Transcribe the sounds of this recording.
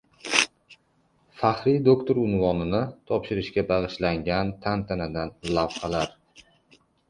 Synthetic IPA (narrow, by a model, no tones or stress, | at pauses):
faχɾid̪okt̪ʰoɾʊnvɒnɪnɪt̪ʰɒpʃɪɾɪʃkʲabɑʁɨʃlaŋɡʲant̪ʰant̪ʰanad̪anlavχɑlaɾ